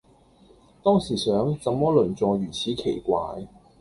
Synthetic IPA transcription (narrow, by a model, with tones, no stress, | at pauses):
t̪ɔː˥ŋsiː˨˩sœː˨˥ŋt͡sɐ˨mɔː˥lɵ˨˩nt͡sɔː˨˧ɥyː˨˩t͡sʰiː˨˥kʰe˨˩jkʷa̰ː˨j